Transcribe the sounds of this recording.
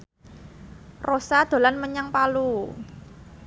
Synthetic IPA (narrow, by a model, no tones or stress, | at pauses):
rosad̪̥o̤lanməɲaŋpalu